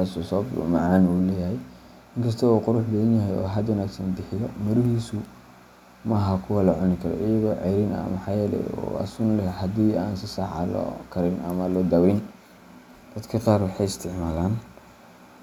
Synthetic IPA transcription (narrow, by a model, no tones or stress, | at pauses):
aːsɔsɔːb̰mɑʕɑːnuːlɛːjɐɦɛj | ɪŋkʰɐs̬t̪ʰɔɔːqʊɾʊħbɐðɐnjɐɦɛjɔ̰ːɦɐd̪wɐnaːɡsɐnd̪ɪħɪjɔmʊɾʊɦiːsʊ | mɐɦɐkʰʊwɐlɐʕʊnɪkʰɐɾɔ̰ʔɪjɐɣɔʕɛjɾɪnɐ̰mɐħɑːjɛːlɛ̰ɔ̰ːɐ̰sʊnlɛhɐd̪iːaːnsɪsɑħɑ̰lɔ̰kʰɐɾɪnɐmɐlɔd̪ɐwɪn | d̪̥ɐd̪kʰɐqɑːrwɑħɑjɪst̪ʰɪʕmaːlaːn